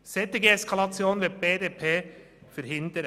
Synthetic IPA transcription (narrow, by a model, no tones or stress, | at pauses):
sɛt̪ɪɡəɛskʰɑlɑt͡sjoːnʋeb̥eːdeːpʰeː | fəɾhɪnd̪əɾ